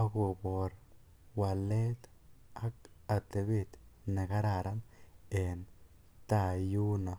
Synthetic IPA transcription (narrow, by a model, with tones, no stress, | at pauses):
a˦ɡu˧bo˨ɾ | wa˨le˦t̪ | a˦ka˨t̪e˨bi˦t̪na˨ɡa˦ɾa˦˧ɾa˦ne˨n | t̪a˦˧ju˦na˨